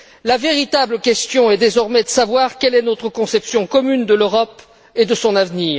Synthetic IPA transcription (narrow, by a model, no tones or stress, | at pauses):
laveʁit̪abləkʲɛst̪jɔ̃ɛd̪ezɔʁmɛd̪əsavwaʁkʲɛlɛnot̪χəkɔ̃sɛpsjɔ̃kɔmynd̪əløʁɔp | ed̪əsɔ̃navniːʁ